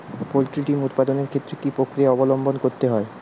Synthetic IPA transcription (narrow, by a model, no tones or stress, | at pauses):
polʈɾiʈimut̪pad̪oneɾkʰet̪ːɾekipokɾieɔbolombonkoɾt̪eɦɔe